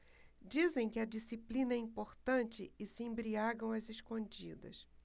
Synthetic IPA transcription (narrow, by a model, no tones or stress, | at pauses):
d͡ʒizẽj̃kɪɐd͡ʒisiplĩnɐɛĩmpoɾt̪ɐ̃nt͡ʃɪɪsɪẽbɾiaɡɐ̃w̃ɐzeʃkõd͡ʒid̪ɐ̰s